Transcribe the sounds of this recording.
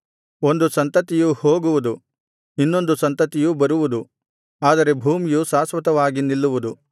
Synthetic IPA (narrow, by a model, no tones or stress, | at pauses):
o̞nd̪usɐnt̪ɐt̪ijuhoːɡuʋud̪u | inːo̞nd̪usɐnt̪ɐt̪ijubɐɾuʋud̪u | aːd̪ɐɾe̞bʱuːmijusaːsʋɐt̪ɐʋaːɡinilːuʋud̪u